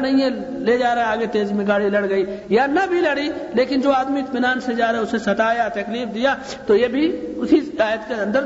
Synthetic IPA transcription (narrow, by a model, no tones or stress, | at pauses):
nɐɦĩɦɛ̃ | led͡ʒaːɾaɦeaːɡet̪eːzimẽɡaːɽilɐɽɡɐiːjanɐbʱilɐɽileːkɪnd͡ʒoːaːd̪miɪt̪mɪnaːnsed͡ʒaːɾaeʊsẽsɐt̪aːjat̪ɐkliːfd̪ija | t̪ojebʱiʊsiaːjət̪keɐ̃nd̪əɾ